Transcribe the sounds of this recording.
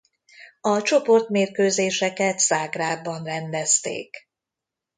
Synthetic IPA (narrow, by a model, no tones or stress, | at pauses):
ɒt͡ʃo̞po̞rt̪meːrkøːzeːʃɛkɛt̪saːɡraːbɒnrɛnd̪ɛst̪ḛːk